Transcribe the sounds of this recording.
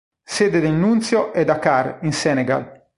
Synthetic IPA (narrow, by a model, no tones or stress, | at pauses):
seːd̪ed̪ennunt̪sjoʔɛd̪akarinsɛːneɡa̰l